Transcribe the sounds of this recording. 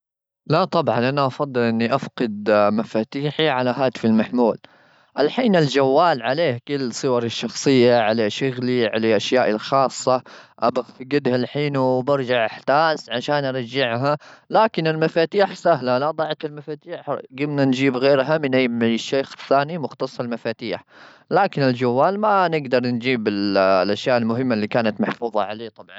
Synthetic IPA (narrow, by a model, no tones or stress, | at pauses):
laʔt̪ˤɑbʕɑnʔanaʔɑfɑd̪ˤːɨlʔɪnːiʔafqɪd̪mafaːt̪iːħiʕalaɦaːt̪ɪ̥fɪlmaħmuːl | ʔalħiːnɪld͡ʒawːaːlʕaleːhkɪlːsˤɨwɑɾˤɪʃːɑxsˤɨjːaʕalaʃʊɣliʕa̰laʔaʃjaːʔɪlxɑːsˤːɑʔabat̪ɡɪd̪halħiːnubɑɾˤd͡ʒaʕʔaħt̪aːsʕaʃaːnʔɑɾˤɑd͡ʒːɪʕɦalaːkɪnɪlmafaːt̪iːħsaɦlalɑd̪ˤɑʕat̪ɪlmafaːt̪iːħɡɪmnand͡ʒiːbɣeːɾɦamɪnʔajaʃːeːxɪθːaːnimʊxt̪ɑsˤːɑlmafaːt̪iːħ | laːkɪnɪld͡ʒawːaːlmanɪɡd̪ɑɾˤnd͡ʒiːbɪllʔaʃjaːʔɪlmʊɦɪmːalːiːkaːnat̪maħfuːðˤɑ̰ʕaleːt̪ˤɑbʕɑ̰n